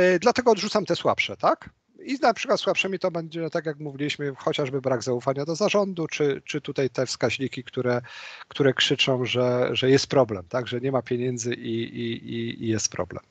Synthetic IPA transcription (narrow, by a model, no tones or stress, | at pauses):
d̪lat̪ɛɡɔːd̪ʐut̪samt̪ɛswa̰pʂɛt̪ak | inapʂɘ̥kwat̪swapʂɛmʲit̪ɔbɛɲd͡ʑɛt̪akʲjakmuvʲilʲiɕmɘxɔt͡ɕaʐbɘbɾaɡzaufaɲad̪ɔzaʐɔnd̪ut͡ʂɘt͡ʂɘt̪ut̪ajt̪ɛfskaʑɲikʲikt̪uɾɛkt̪uɾɛkʂɘt͡ʂɔ̃w̃ʐɛʐɛjɛst̪̚pɾɔblɛmt̪aɡʐɛɲɛmapʲjeɲɛnd̪zɘʔiiiḭjɛst̪̚pɾɔ̰blɛ̰m